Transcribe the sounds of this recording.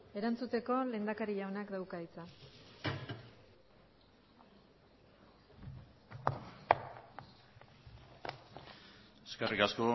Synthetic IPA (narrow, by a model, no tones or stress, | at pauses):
e̞ɾant͡sut̪e̞ko̞le̞ːnd̪akaɾiʎawnakd̪awkaðit͡sa | eskerikasko̞